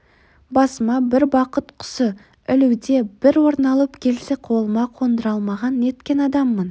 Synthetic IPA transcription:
bɑsəmɑbɪɾbɑqət̪qʰʊ̥sə | ɪluwd̪e̞b̥ɪɾwo̞ɾnɑlˠəpkʲʰe̞lseqʰo̞lˠəmɑqʰo̞nd̪əɾɑlˠmɑʁɑne̞t̪kʲe̞nɑd̪ɑmːən

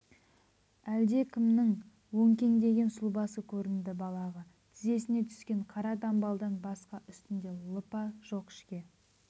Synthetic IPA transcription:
æld̪e̞kʲʰɪmnɪŋ | wɵŋkʲe̞ŋd̪e̞ɡʲe̞nsʊlˠbɑsəkʲʰɵɾɪnd̪ɪbɑlˠɑʁə | t̪ʰɪze̞sɪne̞t̪ʰʏ̥skʲe̞ɴqʰɑɾɑd̪ɑmbɑlˠd̪ənbɑsqɑʔʏst̪ɪnd̪e̞lˠəpɑʒ̥oqɪ̥ʃkʲe̞

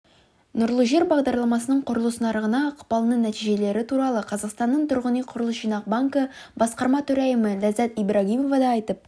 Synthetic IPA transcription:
nʊɾlˠəʒe̞ɾbɑʁd̪ɑɾlˠɑmɑsənəɴqʰʊɾəlˠəsənɑɾəʁənɑqʰʊ̥pɑlˠənənæt̪iʒe̞le̞ɾɪt̪ʰuɾɑlˠəqʰɑzɑqst̪ɑnːəɴt̪ʰʊɾʁənijqʰʊɾəlˠəsʃijnɑq̚baŋkə | bɑsqɑɾmɑt̪ʰɵɾæjɪməlæzæt̪ijbɾaɡʲimovɑd̪ɑːjt̪əp̚

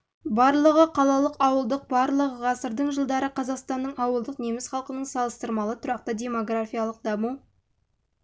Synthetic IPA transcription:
bɑɾlˠəʁəqʰɑlˠɑlˠəqɑwəlˠd̪əq̚bɑɾlˠəʁəʁɑsəɾd̪əɴʒəlˠd̪ɑɾəqʰɑzɑqst̪ɑnːəɴʔɑwəlˠd̪əqnemɪsχɑlˠqənəɴsɑlˠəst̪əɾmɑlˠət̪ʰʊɾɑq̚t̪ədʲe̞mo̞ɡrafʲijɑlˠəq̚d̪ɑmu

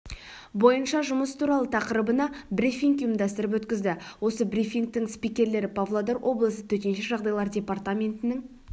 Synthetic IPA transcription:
bo̞jənʃɑʒʊməsə̥t̪ʰuɾɑlˠət̪ʰɑqəɾəbənɑbrʲifʲiŋkjʊmd̪ɑst̪əɾəp̬wɵt̪kʲɪzd̪ɪwo̞səbrʲifʲiŋk̚t̪ɪŋspijkʲe̞ɾle̞ɾɪpʰavlˠod̪aɾwʔo̞blˠəsət̪ʰɵt̪e̞nʃeʒɑʁd̪ɑjlˠɑɾdʲe̞part̪amʲe̞nt̪ɪnɪŋ

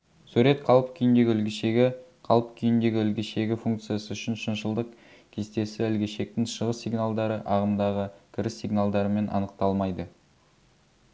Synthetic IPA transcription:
sʉɾe̞t̪qʰɑlˠəpkʲʰijɪnd̪e̞ɡʲɪʏlɡʲɪʃeɡʲɪqʰɑlˠəpkʲʰijɪnd̪e̞ɡʲɪʏlɡʲeʃe̞ɡʲɪfuŋkt̪sɨjasəʏʃɪnʃɪnʃəlˠd̪əq | kʲʰe̞st̪e̞sɪɪlɡʲe̞ʃe̞k̚t̪ɪŋʃəʁəsːijɡnalˠd̪ɑɾəʔɑʁəmd̪ɑʁəkʲʰɪɾɪsːiɡnalˠd̪ɑɾəme̞nʔɑ̰nəq̚t̪ɑlˠmɑjd̪ə

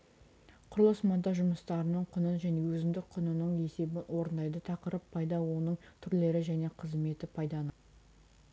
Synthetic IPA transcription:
qʰʊɾlˠɑsmɑd̪ɑʒʊməst̪ɑɾənəɴqʰʊnəʒæne̞wɵzɪmd̪ɪk̚qʰʊnənəɴe̞se̞bɪwo̞ɾənd̪ɑjd̪ət̪ʰɑqəɾəpʰːɑjd̪ɑwo̞nəɴt̪ʰʏɾle̞ɾɪʒæne̞qʰəzme̞t̪ɪpʰɑjd̪ɑn

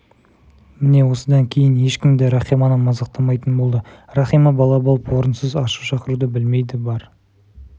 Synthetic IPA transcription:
mɪne̞wo̞səd̪ɑŋkʲʰe̞jɪne̞ʃkʲɪmd̪ɪɾɑχijmɑnəmɑzɑq̚t̪ɑmɑjt̪ənbo̞lˠd̪ə | rɑχijmɑbɑlˠɑbɑlˠəpwo̞ɾənsəzɑʃəʃɑqəɾud̪əbɪlme̞jd̪ɪbɑɾ

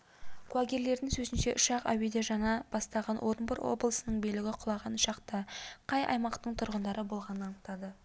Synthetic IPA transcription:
kʰuaɡʲeɾle̞ɾd̪ɪŋsɵzɪnʃe̞ʔʊʃɑqæ̰we̞d̪eʒɑnɑb̥ɑst̪ɑʁɑnwʔo̞ɾnbəɾwo̞̰blˠəsənəɴbejlɪɡʲɪqʰʊlˠɑʁɑnʊʃɑqt̪ɑqʰɑjɑ̰jmɑqt̪əɴt̪ʰʊɾʁənd̪ɑɾəbo̞lˠʁɑnənɑnəq̚t̪ɑd̪ə

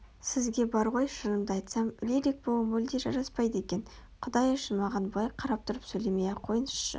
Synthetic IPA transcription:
sɪzɡʲe̞bɑɾʁo̞jʃənəmd̪əɑjt̪sɑmlelek̚bolˠəmɵld̪eʒɑɾɑspɑjd̪əe̞kʲe̞nqʰʊd̪ɑjəʃənmɑʁɑnblˠɑjqʰɑɾɑp̚t̪ʰʊɾəpsɵjle̞mejqʰo̞jənəsʃə̰

